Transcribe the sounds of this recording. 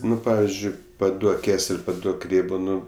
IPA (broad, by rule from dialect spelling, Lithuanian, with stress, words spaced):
ˈnʊ ˈpɑːʋʲɪzʲd͡ʒʲʊɪ pɐˈduɔk ˈkʲæːsʲɛlʲ pɐˈduɔk ˈrʲeːboː ˈnʊ